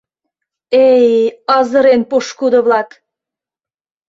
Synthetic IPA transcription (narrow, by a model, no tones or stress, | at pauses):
ejɑzəɾenpoʃkud̪əβlɑk